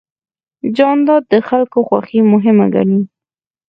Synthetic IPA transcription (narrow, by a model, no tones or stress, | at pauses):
d͡ʒɑnd̪ɑd̪̚əxalkoxwa̰ximʊɦɪma̰ɡa̰ni